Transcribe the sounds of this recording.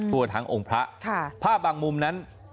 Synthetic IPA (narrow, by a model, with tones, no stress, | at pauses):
t̪ʰu˧ɐt̪ʰa˦˥ŋʔo˧ŋpʰɾa˦˥ʔkʰa˥˩pʰaː˥˩p̚baː˧ŋmu˧mna˦˥n